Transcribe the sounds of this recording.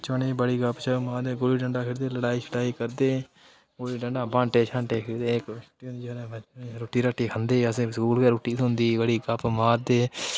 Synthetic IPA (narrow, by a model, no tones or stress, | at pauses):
t͡ʃənẽːbəɽiːɡəpt͡ʃʰəmaːd̪eːɡoːliːɖəɳɖaːkʰɪɾd̪eːləɽaːiːt͡ʃʰəɽaːiːkəɾd̪eː | ɡoliːɖəɳɖaːbãːɳʈeːt͡ʃʰãːɳʈeːkʰɪɾd̪eːkt͡ʃʊ̥ʈiːɦnd̪iːɾẽːɾoːʈiːɾaːʈːiːkʰənd̪eːəsẽːkskuːlkɛɾoːʈiːt̪ɦʊnd̪iːbəɽiːɡəpmaːɾd̪eː